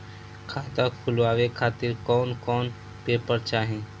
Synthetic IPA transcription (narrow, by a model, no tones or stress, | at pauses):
kʰaːd̪akʰʊlʋaːʋekʰaːt̪ɪɾkɔːnkɔːn | peːpəɾt͡ʃaːɦẽː